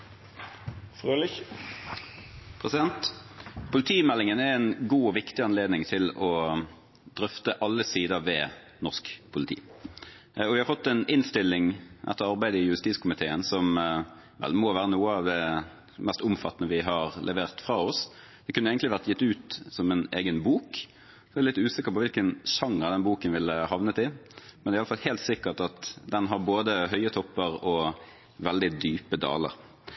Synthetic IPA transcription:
føl | pʰʁɛsɪd̪ɛnt̪pʰʊlɪt̪ʰiːmɛlːɪŋənæɛnɡuːɔʋɪkt̪ɪɑnleːd̪nɪŋt̪ʰɪlɔ | d̪̥ɾœft̪əʔɑlːəsiːd̪əʋɛː | nɔʁskpʰʊlɪt̪ʰḭː | ɔʋɪhɑɾfɔt̪ːɛnɪnst̪ɪlːɪŋʔɛ̰t̪ːəʁɑʁbæɪd̪əɪjʉɾɪst̪iːskʰʊmɪt̪ʰeːənsɔm | ʋɛ̰lmɔːʋæːʁənuːəɑʋd̪ɛ | mɛst̪ʊmfɑt̪ːənəʋɪɦɑɾlʔɛʋeːʁt̪fɾɑːɔs | d̪̥ɛkʉnːəeɡn̩t̪ɪʋæʁt̪jɪt̪ːʉːt̪sɔmɛneːɡənbuːkː | lɪt̪ːʉːsɪkːəɾpɔʋɪlkənʃɑŋɑd̪ɛnbuːkənʋɪlːəhɑʋnət̪ɪmɛnɛæɪɑləfɑlheːlt̪sɪkːəʈɑt̪d̪ɛnɦɑɾboːd̪əɦœʏət̪ʰɔpːəɾɔ | ʋɛld̪ɪd̪yːpəd̪ɑ̰ːlə̰ɾ

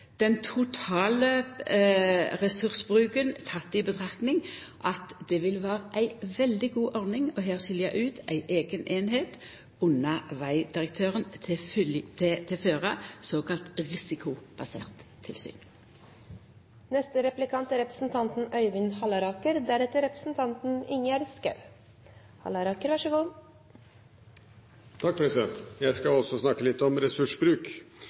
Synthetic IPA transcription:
d̪̥ɛnt̪ʰʊt̪ʰɑːlə | ʁɛsʉʁsəbʁʉːkənt̪ʰɑt̪ːibət̪ʰʁɑknɪŋʔɑt̪d̪ɛʋɪlʋæːʁəʔæɪʋɛld̪ɪɡuːʔɔʁnɪŋɔɦeːʁɕɪljæɪʔʉːt̪æɪʔeːɡənʔeːnɦeːt̪ | ʊnːɑʋæɪd̪̥ɪʁək̚t̪ʰøːʁənʰt̪ʰɛt̪ʰɛføːʁɑsoːkɑlt̪ʁɪsɪkʰʊb̥ɑsḛːʁt̪ʰːɪlsy̰ːn | nɛst̪əɾɛplɪkʰɑnt̪æɾɛpɾə̥sn̩t̪ʰɑnt̪n̩œʏʋɪnhɑlɑɾɑːkəɾd̪æːɖɛt̪ːəɾɛpɾəsn̩t̪ʰɑnt̪n̩ɪŋːəæːɾskɾɛ̰ʋ | hɑ̰lɑɾɑːkəɾʋɑʂəɡuː | t̪ʰɑk̚pʰɾɛsɪd̪ɛnt̪jæɪskɑɔsɔsnɑkːəlɪt̪ːɔmɾɛsʉʂbɾʉːk

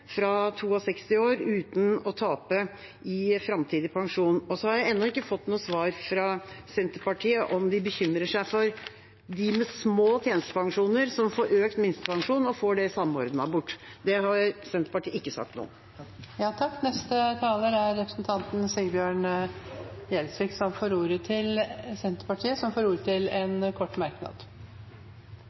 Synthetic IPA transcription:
fɾɑt̪ʰuːɑsɛkst̪ɪoːɾʉːt̪n̩ɔt̪ʰɑːpə | ʔɪfɾɑmt̪ʰiːd̪ɪpʰɑŋʂuːnɔsɔhɑɾjæɪɛnːɔɪkːəfɔt̪ːnuːəsʋɑːɾfɾɑsɛnt̪əɾpɑʈʰiːəʔɔmd̪ɪbəçʏmɾəʂæɪfɔɾ | d̪ɪmɛsmoːt̪ʰjeːnəst̪əpʰɑŋʂuːnəɾsɔmfoːɾøːkt̪mɪnst̪əpʰɑŋʂuːnɔfoːɖɛsɑmːəɔɾd̪nɑbʊʈːd̪ɛhɑɾsɛnt̪ɾpɑʈʰiːɪkːəsɑ̰k̚t̪nṵːə̰ | jɑːt̪ʰɑkːnɛst̪ət̪ʰɑːləɾæɾːɛpɾəsnt̪ʰɑnt̪n̩sɪlbjøːɳ | jɛlsʋɪksɔmfoːɾuːɾət̪ʰɪlsɛnt̪əɾpɑʈʰiːəsɔmfoːɾuːɾət̪ʰɪlɛnkʰɔʈːmæɾknɑ̰d̪

